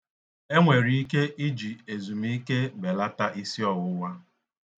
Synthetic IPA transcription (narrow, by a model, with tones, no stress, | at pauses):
e˦ŋʷe˨ɾi˦i˦ke˦ʔi˦d͡ʒi˨e˨zu˨m˦i˦ke˦be˨la˦ta˦ʔi˦si˦ɔ˨wʊ˦wa˦